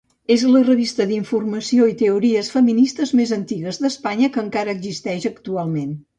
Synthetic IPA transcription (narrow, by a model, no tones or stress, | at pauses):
ezlərəβ̞ist̪əðiɱfurməsioit̪əuɾiəsfəminist̪əzmezənt̪iɣəzðəspaɲəkəːŋkaɾəːɡzist̪ɛʃəkt̪ualˠmen